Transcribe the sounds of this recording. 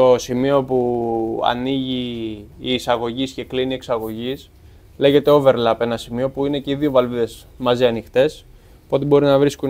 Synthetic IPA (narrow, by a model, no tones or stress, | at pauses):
o̞simio̞puɐ̰niʝiː | sɐɣo̞ʝisce̞klinie̞ksɐɣo̞ʝis | le̞ʝe̞t̪eove̞ɾlɐpe̞nɐsimio̞puine̞ceiðio̞vɐlviðe̞z | mɐziɐnixt̪e̞s | puot̪ebo̞ɾinɐvɾisku